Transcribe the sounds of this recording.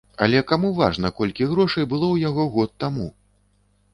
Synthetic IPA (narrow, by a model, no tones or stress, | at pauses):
ɐ̰lʲɛkamuva̰ʐnɐkɔlʲkʲiɣɾɔʂɐjbɨlˠɔwjaɣɔɣɔt̪ːamu